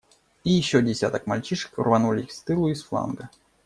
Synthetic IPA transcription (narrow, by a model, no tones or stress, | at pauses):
ijɪɕːodʲɪsʲat̪əkmalʲt͡ɕiʂə̥kʊrvɐnulʲɪixst̪ɨlˠʊisflˠa̰nɡə